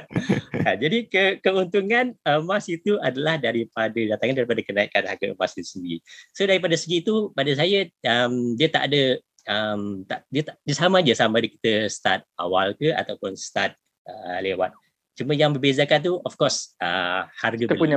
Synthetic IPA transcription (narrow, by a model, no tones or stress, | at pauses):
ad͡ʒadikəkəunt̪uŋanəmasit̪uadalahdaɾipadədat̪aŋandaɾipadakənaikanaɡəəmasdisəɡḭsodaɾip̬adasəɡiːt̪upadəs̬ajəəmdiət̪a̰ʔdə | əmt̪aʔdiət̪adiəsamad͡ʒəsamadiki̥t̪əsə̥t̪at̪̚a̰walkəa̰t̪awpʊnsət̪at̪̚ | əlewat̪̚ | t͡ʃuməjaŋbəbezakant̪̬uɔfkɔrsə̰harɡəuɲ